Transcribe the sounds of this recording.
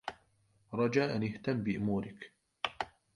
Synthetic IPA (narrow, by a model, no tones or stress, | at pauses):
ɾˤɑd͡ʒaːʔanɪht̪amːbɪʔʊmuːɾɪk